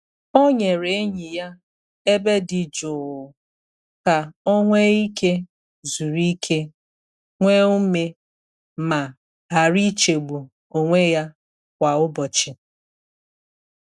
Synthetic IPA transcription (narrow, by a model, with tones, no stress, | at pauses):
o˦ɲe˨ɾe˨e˦ɲi˨ja˦ | e˦be˦dɪ˨d͡ʒʊ˨ʊ˨ | ka˨o˦ŋʷe˦i˦ke˦ | zu˨ɾi˦kʰe˦ | ŋʷe˦u˦me˦ | ma˨ | ɦa˨ɾi˦t͡ʃe˨ɡ͡bu˨ | o˨ŋʷe˦ja˦ | kʷa˨ʊ˦bɔ˨t͡ʃɪ˨